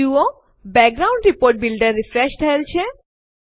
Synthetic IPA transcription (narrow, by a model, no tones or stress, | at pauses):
uo | bɛk̚ɡɾaʊ̃ɳɖɾipoɾʈ̚bilɖəɾːifɾeʃʈʰəelt͡ʃʰe